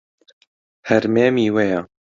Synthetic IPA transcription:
hɛɾmeːmiːwejɑ

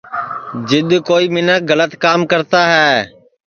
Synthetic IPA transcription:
d͡ʒɪɗ̪koːiːmɪnək̚ɡələt̪kaːmkəɾt̪aːɦɛː

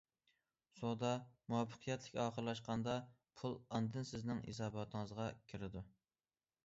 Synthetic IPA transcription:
sod̪ɑmuɑpʰːə̥qʰijɛt̪ʰlɪkʲɑːqʰəɾlˠɑʃqɑnd̪ɑ | pʰulˠɑnd̪ɨnsɪznɪŋḛsɑːbɑt̪ʰɨŋəzʁɑkʲʰɪɾɪd̪u

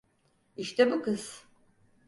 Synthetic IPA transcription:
iʃt̪ʰɛbukɯz

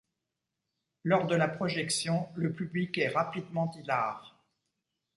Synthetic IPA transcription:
lɔʁd̪əlapχɔʒɛksjɔ̃ləpyblikɛʁapid̪mɑ̃d̪ilaːʁ

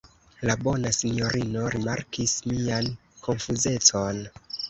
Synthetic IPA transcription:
labo̞nasinjo̞ɾino̞ɾima̰ɾkismian | kʰo̞nfuze̞t͡so̞n

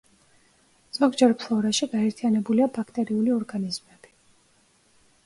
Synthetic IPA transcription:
z̥ɔɡd͡ʒɛɾpʰlˠɔɾaʃiɡaɛɾt̪ʰianɛbuliabakʰt̪ʼɛɾiuliɔɾɡanizmɛb̥i̥

